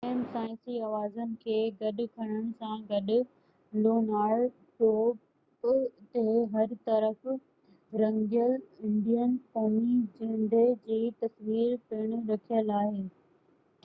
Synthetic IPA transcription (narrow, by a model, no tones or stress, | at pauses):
emsaːɪ̃nsiɐʋaːzənɪ̆kʰeːɡɐɗʊ̆kʰɐɽ̃əɽ̃̆sãɡɐɗʊ̆ | loːnaːɽ | ʈoːp | t̪eɦɐɾt̪ɐɾəf | ɾɐ̃ŋɡijəlɪ̃ɳɖijənkoːmid͡ʑɪ̃ɳɖ̪ed͡ʑiːt̪ɐsʋiːɾpɪɽ̃ʊɾɐkʰijəlaːɦeː